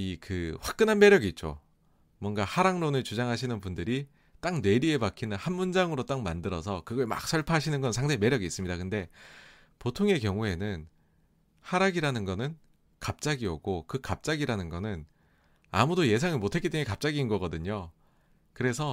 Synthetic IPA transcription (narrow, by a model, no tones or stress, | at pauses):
ikɯɸwak̚k͈ɯnɦanme̞ɾjʌɡit̚t͡ɕ͈o̰ | mwʌnɡahaɾaŋɾonɯɭt͡ɕud͡ʑaŋɦaɕʰinɯnpundɯɾi | t͈aŋne̞ɾie̞bakʰinɯnhanmund͡ʑaŋɯɾot͈aŋma̰ndɯɾʌsʰʌkɯɡʌɭma̰k̚s͈ʌɭpʰaɦaɕʰinɯnɡʌnsʰaŋdeme̞ɾjʌɡiːs͈ɯmɲidakɯnde̞ | potʰoŋe̞kjʌŋue̞nɯn | haɾaɡiɾanɯnɡʌnɯn | kap̚t͡ɕ͈aɡioɡokɯkap̚t͡ɕ͈aɡiɾanɯnɡʌnɯn | a̰mudoje̞s̬ʰaŋimotʰek͈it͈eŋekap̚t͡ɕ͈aɡinɡʌɡʌdɯɲo | kɯɾe̞sʰʌ